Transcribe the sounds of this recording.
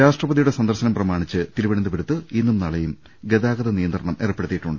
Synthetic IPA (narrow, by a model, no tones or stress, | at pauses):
ɾaːʂʈrɐpɐðijuɽe̞sɐnd̪ɐrɕɐnɐmprɐmaːɳit͡ɕːɨt̪iɾuʋɐɳɐnd̪ɐbɐɾut̪ːɨinːumnɐɭɐjum | ɡed̪aːɡɐðɐnijɐnd̪rɐɳɐmeːrɐpːe̞ɽut̪ːiʈːuɳɖɨ